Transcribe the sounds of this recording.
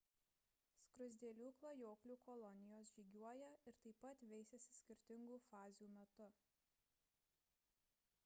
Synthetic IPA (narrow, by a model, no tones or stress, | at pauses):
skɾʊzʲd̪ʲiɛlʲuːklˠɐjoːklʲuːkɔlˠɔnʲɪjoːs̬ʒʲiːɡʲuɔjɛɪɾt̪ɐɪpɐt̪ʋʲɛɪsʲɛsʲɪ̥sʲkʲɪɾʲt̪ʲɪŋɡuːfɑːzʲjuːmʲɛt̪ʊ